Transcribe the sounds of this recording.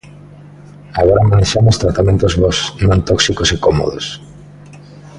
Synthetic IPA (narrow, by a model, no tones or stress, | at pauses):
aɣ̞ɔɾamaneʃamost̪ɾat̪amẽnt̪ozβɔsnõnt̪ɔksikosekɔmo̰ðo̰s